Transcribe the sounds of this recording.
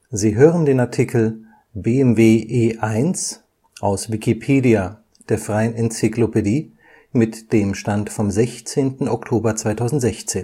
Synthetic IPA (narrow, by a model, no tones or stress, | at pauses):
ziːɦøːʁəndeːnaɐtʰikʰl̩ | beːɛmveːʔeːʔaɪns | ʔaʊsvikʰipʰeːdia | d̥eːɐfʁ̥aɪənɛnt͡siklopediː | mɪtd̥eːmʃtantfɔmzɛçt͡seːntn̩ɔktʰoːbɐt͡sv̥aɪtʰaʊzn̩tz̥ɛçt͡seːn